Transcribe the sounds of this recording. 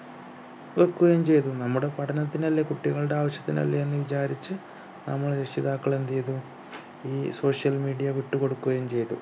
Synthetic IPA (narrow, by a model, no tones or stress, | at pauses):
ʋɐkːuɣɐmt͡ɕe̞jt̪unɐmːuɽe̞pɐʈʰɐnɐt̪ːinɐlːɐkuʈːiɣɐɭɨɽe̞aːʋɐɕjɐ̥t̪ːinɐ̰lːɐenːɨʋit͡ɕaːɾit͡ɕːɨ | nɐ̰mːɐɭɾeʂiðaːkːɐɭend̪ejt̪u | iːso̞ːʂjɐlmiːɽijɐʋiʈːuko̞ɽukːuɣɐjmt͡ɕe̞jt̪ṵ